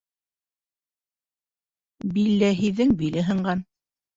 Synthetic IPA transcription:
bilːæɦiðːɘŋbilɘɦɤ̆ɴɢɑn

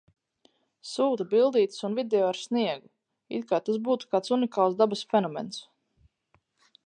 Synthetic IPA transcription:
suːt̪abilˠd̪iːt̪sunvid̪eɔaɾsniɛɡu | ḭt̪̚kaːt̪asbuːt̪u̥kaːt̪sunikaːlˠzd̪abasfɛnɔmɛ̰ns

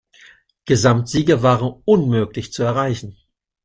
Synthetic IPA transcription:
ɡ̥əzamtz̥iːɡɐvaːʁənʔʊnmøːklɪçt͡suɛɐʁaɪçn̩

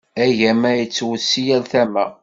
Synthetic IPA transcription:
æʝæmæjət͡sːwəsijælθæmæ

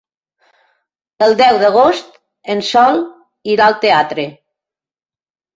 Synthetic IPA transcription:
əlˠd̪ɛwðəɣ̞ost̪ | ensɔlˠ | iɾaəlˠt̪eat̪ɾe

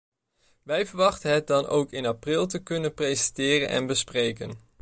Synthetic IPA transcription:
ʋɛjvəɹʋɑχtənɦɛt̚dɑno̰wkɪnaprɪlˠtəkɵnənprejzɛntɪːrənʔɛ̰nbəsprejkən

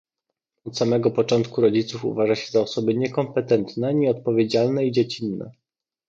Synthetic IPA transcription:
ɔt̪samɛɡɔpɔt͡ʂɔnt̪kuɾɔd͡ʑit̪sufṵvaʐaɕɛzaɔsɔbɘɲɛkɔmpɛt̪ɛnt̪nɛɲɛɔt̪̚pɔvʲjed͡ʑalnɛid͡ʑet͡ɕinːɛ̰

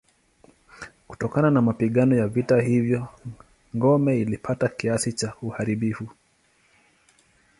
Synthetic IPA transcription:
ku̥tɔkananamapiɠanɔjavitahivjɔ | ŋɡɔmɛilipʰatakiasit͡ʃauhaɾiɓifu

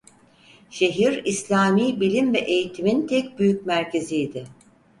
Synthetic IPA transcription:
ʃe̞ɦiɾislʲaːmiːbilʲimvɛʔejit̪ʰimint̪ʰɛc̚byjycmæɾce̞zijd̪ɪ

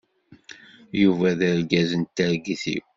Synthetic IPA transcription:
juvæðəɾɡæzənt̪ːəɾɡiθḭw

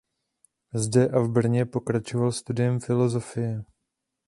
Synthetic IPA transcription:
zdɛʔavbr̩ɲɛpo̞kɾat͡ʃo̞valst̪udɪjɛmfɪlo̞zo̞fɪjɛ

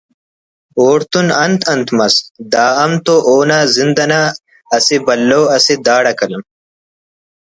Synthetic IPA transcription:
oːɾt̪unɐnt̪ʰɐnt̪mɐsd̪aːɐmt̪oʔoːnazind̪ɐnaː | sibɐlːoːɐsid̪aːɽɐkɐlɐm

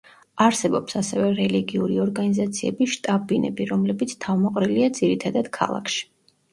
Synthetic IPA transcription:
aɾsɛbɔpsasɛvɛɾɛliɡiuɾiɔɾɡanizat̪sʰiɛbiʃt̪ʼabinɛ̰biɾɔmlɛbit̪sʰt̪ʰavmɔqʼɾiliad̪ziɾit̪ʰad̪ad̪̥kʰa̰lˠa̰kʰʃi̥

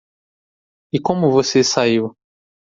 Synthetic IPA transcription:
ɪkõmʊvosesaiw

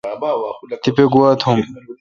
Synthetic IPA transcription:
t̪ipeɡuwat̪ʰhum

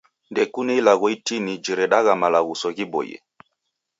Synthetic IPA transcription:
ndɛkunɛilaɣɔitinid͡ʒiɾɛɗaɣamalaɣusɔɣibɔ̰jɛ̰

